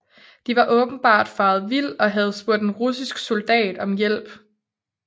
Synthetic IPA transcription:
d̥iʋɑ̈ʔɔ̽ːb̥n̩b̥ɑ̈ːd̥fɑ̈ːð̞̩ˠʋil̰ɒ̽ɦæð̞̩ˠsb̥u̝ɐ̰d̥enʁusisɡ̥so̝ld̥ɛ̰ːd̥ɒ̽mjel̰b̥

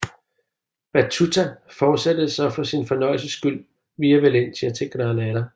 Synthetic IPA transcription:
b̥æt͡sʰut͡sʰæfɒːd̥sed̥əð̩ˠsɑfɒ̽sinfɒ̽nɒ̽ɪ̰l̩səsɡ̥yl̰ | ʋiːɐʋele̝n̰t͡sʰe̝æt͡sʰe̝ɡ̥ɾɑnæɾɐ

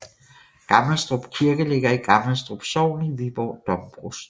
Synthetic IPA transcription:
ɡ̥ɑ̈ml̩sd̥ʁɔb̥kʰiɐɡ̥əle̝ɡ̥ɐiɡ̥ɑ̈ml̩sd̥ʁɔb̥sɒʊ̰niʋiʋɒ̰ːd̥ɒ̽mb̥ʁus

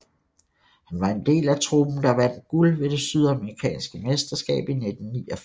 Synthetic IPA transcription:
hænʋɑ̈e̝nd̥e̝̰ːlæt͡sʰʁub̥n̩d̥ɑ̈ʋæn̰d̥ɡ̥ulʋe̝d̥e̝syð̞̰ˠæməʁikʰɛ̰ːnsɡ̥əmesd̥ɐsɡ̥ɛ̰ːb̥ined̥n̩niːɒ

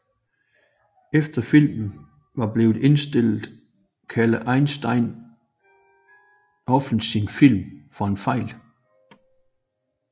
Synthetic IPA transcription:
efd̥ɐfil̰mn̩ | ʋɑ̈b̥le̝ːʊð̩ˠe̝nsd̥e̝l̰ð̩ˠ | kʰæləʔɑ̈ɪnsd̥ɑ̈ɪ̰n | ʔɒ̽fn̩sinfil̰mfɒ̽e̝nfɑ̈ɪ̰l

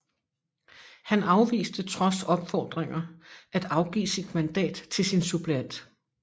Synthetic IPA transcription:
hænɑ̈ʊʋḭːsd̥ət͡sʰʁɒ̽sɒ̽b̥fɒːd̥ʁeŋɐʔæd̥ɑ̈ʊɡ̥ḭːsid̥mænd̥ɛ̰ːd̥t͡sʰe̝lsinsub̥ʰlæn̰d̥

